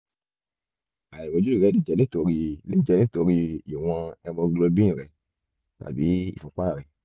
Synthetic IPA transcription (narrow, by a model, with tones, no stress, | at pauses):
a˨jɛ˨bo˨d͡ʒu˦i˦˨ɾɛ˨˦di˦˨d͡ʒɛ˨le˦to˧ɾi˧le˦i˦˨d͡ʒɛ˨˧nĩ˦to˧ɾi˧i˨w̃ɔ̃˧ɛ˧mɔ̃˧ɡlo˧bĩ˦ĩ˨ɾɛ˨ | ta̰˨bi˨˦ḭ˦˨fũ˧˦k͡pa˦˨ɾɛ˨